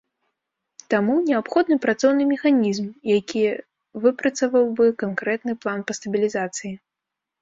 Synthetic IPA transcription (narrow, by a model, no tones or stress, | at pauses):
t̪amunʲɛapxɔd̪nɨpɾat̪sɔwnɨmʲɛxanʲizmjakʲi | vɨpɾɐt̪sɐvɐwbɨkankɾɛt̪nɨplˠanpɐst̪ɐbʲilʲizat̪sɨji